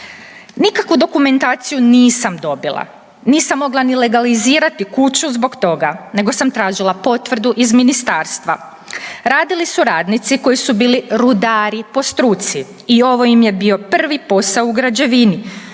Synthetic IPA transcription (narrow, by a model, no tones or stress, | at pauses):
nikakʋud̪o̞kume̞nt̪aːt̪sijuniːsamd̪o̞bilˠa̰ | niːsamːo̞ɡlˠanile̞ɡaliziːɾat̪ikut͡ɕuzbo̞ɡt̪o̞ɡane̞ɡo̞samt̪ɾaːʒilˠapo̞t̪ʋr̩d̪uʔizminist̪aːɾst̪ʋa | ɾaːd̪ilisuɾaːd̪nit̪siko̞jisubiːliɾud̪aːɾipo̞st̪ɾuːt̪si | io̞ʋo̞jimje̞bio̞pr̩ʋipo̞sauɡɾad͡ʑe̞ʋini